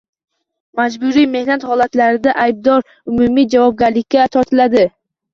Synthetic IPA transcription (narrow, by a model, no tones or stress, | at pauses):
mad͡ʒbʊɾime̞hnat̪hɒlat̪laɾɪd̪aʔajb̚d̪ɒɾ | ʊmumid͡ʒavɒb̚ɡʲaɾlɪkʲʰːat̪ʰɒɾt̪ʰɪlad̪ɪ